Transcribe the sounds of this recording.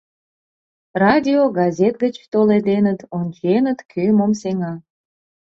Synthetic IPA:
rɑdʲioɡɑzʲet̪̚ɡət͡ɕt̪oled̪enət̪onʲt͡ɕenət̪kʰymomseŋɑ

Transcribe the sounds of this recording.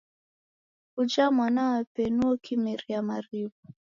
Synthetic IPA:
kud͡ʒamwanawapɛnuɔkʰimɛɾiamaɾivu

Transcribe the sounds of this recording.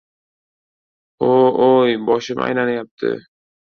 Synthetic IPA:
oojbɒʃɪma̰jlanajap̚t̪ʰɪ̰

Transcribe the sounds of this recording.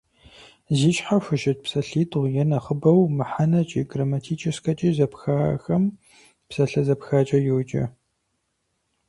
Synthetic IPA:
zit͡ʃʼħaɕʷʊʒɪt̚psɐɬiːtʼʁʷjɛnɐχəbɐwmɨħanɐt͡ʃʼiɡrɐmɐtʰiːt͡ʃʼɐskɐt͡ʃʼizɐpxa̰ːxɐm | psɐɬɐzɐpxaːt͡ʃʼɐjɛwt͡ʃʼɐ̰

